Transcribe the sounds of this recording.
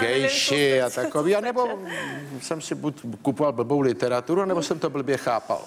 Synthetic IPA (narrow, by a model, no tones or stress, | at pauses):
ɡɛjʃɪat̪akoviːanɛbo | sɛmsɪbutkupovalbl̩bowlɪt̪ɛɾat̪uɾuanɛbosɛmt̪obl̩bjɛxaːpa̰l